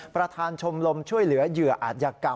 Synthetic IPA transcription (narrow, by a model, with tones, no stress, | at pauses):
pɾa˧t̪ʰaː˧nt͡ɕʰo˧mlo˧mt͡ɕʰu˥˩əjlɯ˩˦ɐjɯ˨˩ɐʔaː˨˩t̪̚ja˧ka˨˩